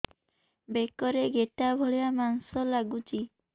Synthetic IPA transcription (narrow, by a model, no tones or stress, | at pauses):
bekɔɾeɡeʈabʱoɭijamansɔlaɡut͡ʃi